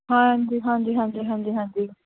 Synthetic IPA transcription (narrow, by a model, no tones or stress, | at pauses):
ɦãːɲd͡ʒiːɦãːɲd͡ʒiːɦãːnd͡ʒiːɦãːɲd͡ʒiːɦãːɲd͡ʒiː